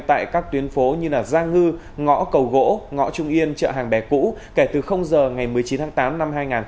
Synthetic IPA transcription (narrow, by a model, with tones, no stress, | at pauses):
t̪a̰ː˧˨jkaː˦˥k̚t̪wi˨˦ənfo˨˦ɲɨ˧laː˨˩zaː˧ŋɨ˧ | ŋɔ̰˧˥kə˨˩wɣo̰˧˥ŋɔ̰˧˥t͡ɕʊ˧ŋ͡mʔi˧ənt͡ɕə̰ː˧˨ɦaː˨˩ŋɓɛ˨˩kṵ˧˥ke˧˩t̪ɨ˨˩xə˧wŋ͡mzəː˨˩ŋa˨˩jmɨ˨˩əjt͡ɕi˨˦nt̪aː˨˦ŋt̪aː˨˦mna˧mhaː˧jŋaː˨˩n